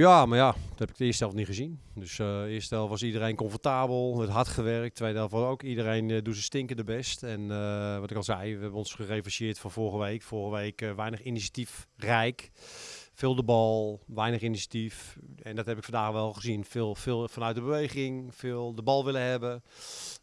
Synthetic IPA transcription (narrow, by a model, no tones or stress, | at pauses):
jamajḁhɛpɪ̥ktəɪːəstɛlˠfniχəzin | døsɪəstdɛlˠfʋɔsidərejnkɔnfɔrtaːbəlˠətɦatχəʋɛrk̚tʰːʋejdɛlˠfʋɔowkidərejndusəstɪŋkəndəbɛstɛnʋɔtɪkɔlˠzɛjʋəɦɛbənɔnsχəreːfəʃɪətfɔnforɣəʋejkfʊɣəʋejkʋɛjnəxinisḁtifrɛjk | fɪːlˠdəbɔlˠʋɛjnəχinisjḁtifɛndɔthɛpɪkfɑndaːxʋɛlˠxəzinfɪːlˠfɪːlˠfɔnœɥt̚dəbəʋejɣɪŋfɪːlˠdəbɔlˠʋɪləɦɛbə